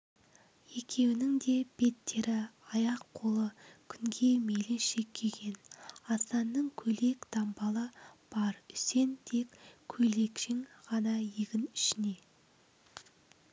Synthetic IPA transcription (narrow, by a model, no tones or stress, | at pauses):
je̞kʲʰe̞wɪnɪŋd̪e̞b̥e̞t̪ːe̞ɾɪɑjɑqqʰo̞lˠəkʲʰʏŋɡʲe̞me̞lɪnʃe̞kʲʰːeɡʲe̞nɑst̪ɑnːəɴkʲʰɵle̞kd̪̥ɑmbɑlˠəb̥ɑɾʏse̞nt̪ʰe̞kʲkʲʰːɵle̞kʃɪŋʁɑnɑjeɡʲɪnɪʃɪne̞